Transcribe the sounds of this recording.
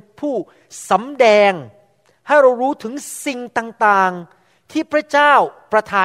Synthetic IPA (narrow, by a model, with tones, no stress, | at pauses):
pʰuː˥˩ | sa˩˦mdɛː˧ŋ | ha˥˩jɾa˧wɾuː˦˥t̪ʰɯ˩˦ŋsi˧ŋt̪aː˧ŋt̪aː˧ŋ | t̪ʰiː˥˩pʰɾa˦˥t͡ɕaː˥˩wpɾa˧t̪ʰaː˧